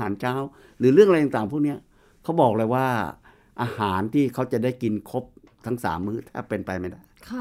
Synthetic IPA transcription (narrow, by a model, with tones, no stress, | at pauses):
aː˩˦nt͡ɕʰaː˦˥˩w | ɾɯː˩˦ɾɯ˥˩əŋʔj̪t̪ːŋt̪aː˨˩ŋpʰuː˥˩k̚ni˦˥ɐ | kʰa˦˥wbɔː˨˩k̚lɤː˧jwaː˥˩ | ʔaː˧haː˩˦nt̪ʰiː˥˩kʰa˦˥wt͡ɕa˨˩da˥˩jki˧nkʰo˦˥p̚ | t̪ʰa˦˥ŋsa̰ː˩˦mːɯː˥˩t̪ʰa̰ː˥˩pe˧npa˧jma˥˩jda˥˩jʰ